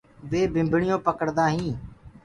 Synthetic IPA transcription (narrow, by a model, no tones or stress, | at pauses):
ʋeːbʱɪ̃mbɳɪjõːpəkəɽd̪aːɦĩː